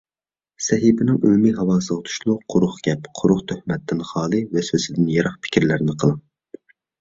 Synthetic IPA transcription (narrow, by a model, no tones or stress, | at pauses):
sɛɦibɪnɪŋy̰lmiɦɑwɑːsɨʁt̪ʰu̥ʃlˠʊqʰʊɾʊχɡʲɛpqʰʊɾʊχt̪ʰøhmɛt̪ʰːɪnχɑːlˠɨvɛsøsɪd̪ɪnjɑɾɑχpʰɪ̥kʲʰiɾlæɾɪnɪqʰəlˠɑŋ